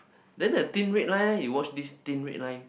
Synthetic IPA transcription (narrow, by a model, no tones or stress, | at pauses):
dɛ̃ndətĩnɹet̚lãjnjiwɔt͡ʃdist̪ĩnɹḛʔ̚lãj̃n